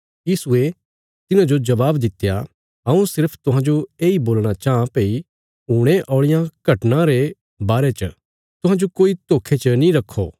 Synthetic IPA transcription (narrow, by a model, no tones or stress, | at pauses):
jiːsʊe | t̪ɪnãd͡ʒod͡ʒɐʋaːbd̪ɪt̪ːja | ɐũsɪɾpʰt̪ʊɦãd͡ʒoeːiboːlɽ̃at͡ʃaːãpeːi | uːɽ̃eʔɔːɭɪjãkɐʈnãɾe | baːɾet͡ʃə | t̪ʊɦãːd͡ʒokoːit̪oːkʰːet͡ʃənĩɾɐkʰːo̰ː